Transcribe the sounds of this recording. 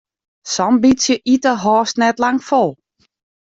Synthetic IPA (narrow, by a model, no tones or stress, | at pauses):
sɔmbitsjəʔitəɦɔːstnɛtlaŋfolˠ